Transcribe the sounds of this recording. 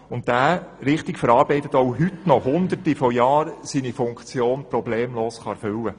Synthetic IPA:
ʊntːæːɾɪχtikfəɾɑːɾbɛɪt̪ətɔwɦʏtnɔɦʊnd̪ərtifɔjɑːɾsinifʊŋkt͡sjoːnprɔbleːmloːsχɑɛɾfʏlːə

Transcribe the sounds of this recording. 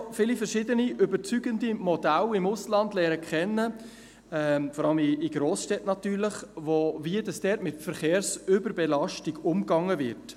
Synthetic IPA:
fɪːlifəɾʃɪdəniʔʏbəɾt͡syɡəndimɔdælɪmʊslɑndlɛːɾəkʰχɛnːə | ɛfɔɾɑləmɪːɡ̥ɾoːsʃtɛtnɑt̪yːɾləχvoviədɑsd̥ɛɾtmɪtfəɾχeːɾsʏbəɾbɛlɑʃtiɡʊmɡɑŋːəvɪɾt

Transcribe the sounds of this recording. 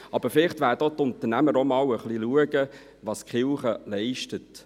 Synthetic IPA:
ɑb̥əfɪlɪχtʋæːɾdotʊnt̪ənæməɾomɑːwəχliluəɡə | ʋɑskχɪlχəlɛɪʃtət

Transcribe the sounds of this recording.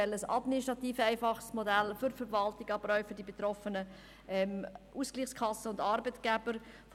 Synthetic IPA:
ɛləsɑ̰dministɾɑtiːfæɪfɑχsmɔdælfʏɾfəvɑltɪɡɑbɾœʏfʏɾdibet̪ɾɔfənə | ɛmʔusɡ̥liːχskʰɑsːəʊndɑːɾbətɡ̥æbəɾ | f

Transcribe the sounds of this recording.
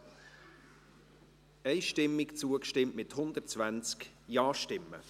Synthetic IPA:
ɛɪʃtɪmːɪkt͡suəkʃtɪmʔmɪt̪hʊnd̪ərtt͡svænt͡skjɑːʃtɪmːə̰

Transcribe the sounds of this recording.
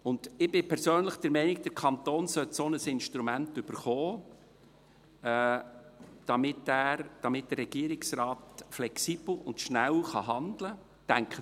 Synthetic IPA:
ʊnd̪̥ɪb̥ɪpʰɛɾsøːnləχd̥əɾmɛnɪk̚d̪̥əɾkʰɑnt̪oːnsœtsonəsɪnʃtɾumæntʏb̥əɾχɔː | d̥ɑmɪtæːɾd̥ɑmɪt̚d̥ərːɛɡ̥iːɾɪksɾɑːtflɛksiːb̥l̩ʊntʃnælχɑɦɑndlə | tæŋkχə

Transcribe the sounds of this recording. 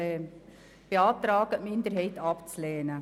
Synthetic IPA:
ɛ | b̥eɑːt̪ɾɑːɡ̥əʔmɪnd̪əɾɦɛɪtɑpt͡slɛːnə

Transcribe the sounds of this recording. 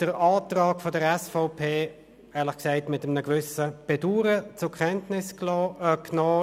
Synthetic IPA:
d̥əɾɑːtrɑːkfodəɾɛsfɔʊpʰeː | ɛːʁlɪχksaɪtmɪtəmnəɡvʏsəb̥ɛduːɾət͡sʊkʰɛntnɪsklɔːknɔː

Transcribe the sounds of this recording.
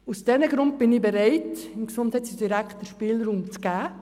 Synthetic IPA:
usd̥ɛnəɡɾʊnt̚b̥ɪnɪbɛɾɛɪtɪnksʊndhɛɪt͡sidiɾækχtəʃpɪːlɾuːmt͡sɡ̥æː

